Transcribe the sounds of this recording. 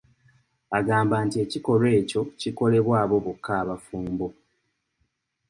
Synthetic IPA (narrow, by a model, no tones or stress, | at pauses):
aɡaːmbaːntie̞ciko̞lwe̞ːco̞ciko̞le̞βwaːβo̞βukʰːaːβafuːmbo̞